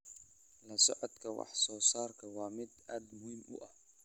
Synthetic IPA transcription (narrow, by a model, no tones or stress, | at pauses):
lɐsɔʕɔd̪kʰɐwɑ̰ħsɔːsaːrkʰɐwɑːmɪd̪aːd̪mʊhimʔʊ̰ʔɐh